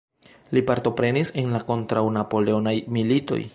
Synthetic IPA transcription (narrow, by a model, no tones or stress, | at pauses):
lipaɾto̞pɾe̞nise̞nlako̞ntɾawnapo̞leonajmilito̞̰j